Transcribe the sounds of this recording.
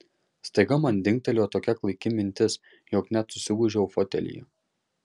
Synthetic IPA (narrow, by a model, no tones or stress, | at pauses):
st̪ɐɪɡɐmɐnd̪ʲɪŋʲkʲt̪ʲɛlʲoːt̪oːkʲɛklˠɐɪkʲɪmʲɪnʲt̪ʲɪs | joːknʲæt̪sʊsʲɪɡuːʒʲɛʊfɔt̪ʲɛ̰lʲḭj